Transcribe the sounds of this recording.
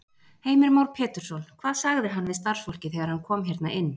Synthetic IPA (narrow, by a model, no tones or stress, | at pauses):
heːjmɪɾmaːwɾ̥pʰɛːt̪ʏɾ̥sɔlkʰv̥aːðsaɣðɪɦanːvɪðst̪aɾ̥sfowl̥cɪθɛɣaɾhankʰɔːmçɛɾt̪naʔɪnː